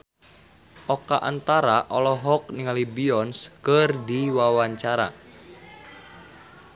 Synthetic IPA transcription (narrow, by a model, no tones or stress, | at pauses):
ʔɔkaʔa̰nt̪aɾaʔɔlɔɦɔk̚niŋalibiɔnskərdiwawaɲt͡ʃaɾa̰